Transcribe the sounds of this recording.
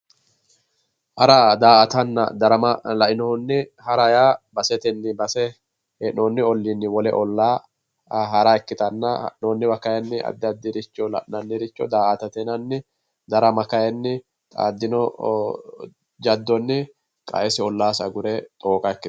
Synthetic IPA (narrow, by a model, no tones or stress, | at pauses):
hɐɾad̪aːɐt̪ɐnːɐ̰d̪ɐɾɐmɐlɐʔɪnɔnːɪhɐɾɐjaːbɐsɛt̪ɛnːɪbɐsɛ | ɛnoːnːɪɔlːinːɪwɔlɛ̰ʔɔlːaː | ɦɐɾaɛkːɪt̪ʼɐnːɐnoːnːɪbɐkːɐjɛnːɪɐ̰d̪ːɐd̪ːɪɾɪt͡ʃːɔlɐ̰ʔnɐnːɪɾɪt͡ʃːɔ̰d̪aːʔɐt̪ɐt̪ɛnɐnːɪ | d̪ɐɾɐmɐkɐjɛnːɪ | t̪ʼa̰ːd̪ːɪnɔ | d͡ʒɐd̪ːɔnːɪ | kʼɐ̰ʔɛsɪɔlːaːsɐɡʊɾɛt̪ʼoːkʼɐɛkːɪt̪